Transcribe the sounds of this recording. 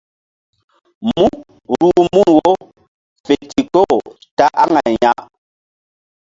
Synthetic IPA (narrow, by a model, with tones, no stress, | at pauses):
mu˦ | ɾu˦˨mu˦˨wo˦ | fe˨ti˨kɔ˦˨ | ta˦ʔa˦ŋa˨ɲa˦